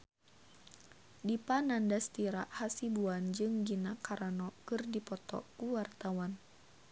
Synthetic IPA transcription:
dipanandast̪iɾaʔhasibuand͡ʒɨŋɡinakaɾanɔkɨrdipɔt̪ɔ̰kuwart̪awan

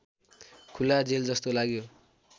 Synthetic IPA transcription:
kʰulad͡zeld͡zʌst̪olaɡjo

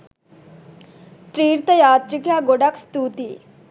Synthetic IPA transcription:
t̪ɾiːɾt̪əjaːt̪ɾikjaɡoɽakst̪uːt̪i

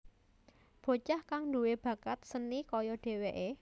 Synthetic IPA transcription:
b̥o̤t͡ʃahkaŋɳduweb̥ä̤kat̪̚sənikɔjɔɖ̥e̤weʔe

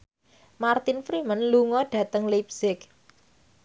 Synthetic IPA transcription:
mart̪ɪnfɾimənluŋɔɖ̥ä̤t̪əŋlep̚sɪk

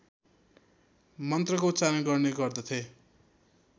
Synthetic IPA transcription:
mʌnt̪rʌkot͡saɾʌnɡʌrneɡʌrd̪ʌt̪ʰe

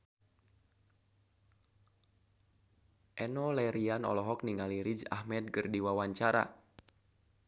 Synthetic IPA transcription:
ʔɛnɔlɛɾianɔ̰lɔɦɔk̚niŋaliɾid͡ʒa̰hmɛd̪̚ɡərdiwawaɲt͡ʃaɾa̰

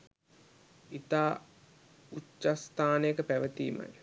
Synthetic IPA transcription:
it̪aː | ut͡ʃːast̪aːnəjəkəpæʋət̪iːma̰j

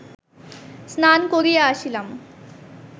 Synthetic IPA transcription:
snankoɾijaːɕilam

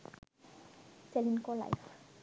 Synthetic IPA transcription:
sɛlinkola̰jf

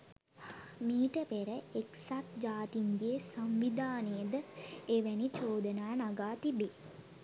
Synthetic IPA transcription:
miːʈəpeɾəeksat̪̚d͡ʒaːt̪iŋɡeːsamʋid̪ʱaːnəjəd̪əeʋænit͡ʃoːd̪ənaːnaɡaːt̪ibe

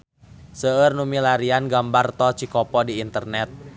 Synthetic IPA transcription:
səərnumilaɾianɡambart̪ɔt͡ʃikɔpɔdiːnt̪ərnɛt̪̚

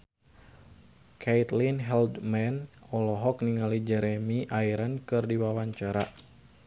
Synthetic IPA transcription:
kʰɛit̪linɦɛld̪mɛnɔlɔɦɔk̚niŋalid͡ʒɛɾɛmiʔaiɾankɨrdiwawaɲt͡ʃaɾa

